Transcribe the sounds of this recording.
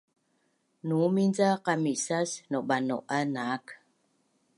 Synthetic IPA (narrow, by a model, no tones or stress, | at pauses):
numind͡zaqamiʔsasnoʔɓano̰ʔanak